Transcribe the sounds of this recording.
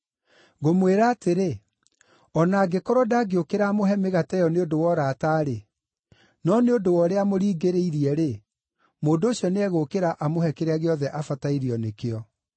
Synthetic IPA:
ɣomweɾaːteɾe | ɔnaːɡekɔɾɔdaːɡeokeɾaːmoɦɛmeɣatɛjɔneodowɔɾataːɾe | nɔneodowɔɾeamoɾiːɡeɾeiɾiɛɾe | moːndoːɕiɔneɛɣokeɾaʔamohɛkeɾeaɣeɔðɛʔafataiɾiɔnekeɔ

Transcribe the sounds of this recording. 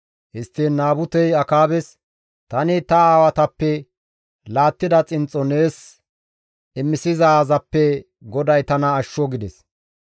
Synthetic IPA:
hɪst̪ːinːaːbʊt̪ɛjɐkaːbɛs | t̪ɐnɪt̪ɐaːwɐt̪ɐpːɛ | laːt̪ːɪd̪ɐt͡sʼɪnt͡sʼːɔneːs | ɪmːɪsɪzɐːzɐpːɛ | ɡɔd̪ɐjt̪ɐnɐːʃːɔɡɪd̪ɛs

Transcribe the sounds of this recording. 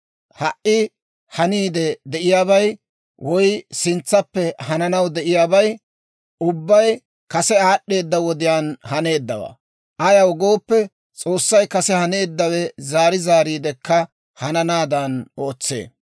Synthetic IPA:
hɐʔʔːɪ | hɐniːd̪ɛd̪ɛʔɪjaːβɐj | wʔɔjsɪnt͡sːɐpːɛhɐnɐnɐwd̪ɛʔɪjaːbɐj | ʊbːɐj | kɐsɛaːɗːe̞ːd̪ːɐwɔd̪ɪjaːnhɐne̞ːd̪ːɐwɐ̰ | ʔɐjɐwɔɡo̞ːpːɛ | t͡sʼo̞ːsːɐjkɐsɛhɐne̞ːd̪ːɐwɛzaːɾɪzaːɾiːd̪ɛkːɐ | hɐnɐnaːd̪ɐno̞ːt͡sːḛː

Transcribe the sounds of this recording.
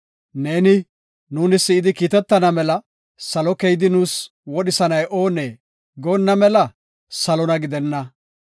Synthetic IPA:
ne̞ːnɪ | nuːnɪsːɪɪd̪ɪkiːt̪ɛt̪ːɐnɐmɛlɐ | sɐlɔkɛjɪd̪ɪnuːs | wɔɗɪsɐnɐjʔoːneː | ɡoːnːɐmɛlɐ | sɐlɔnɐɡɪd̪ɛnːɐ

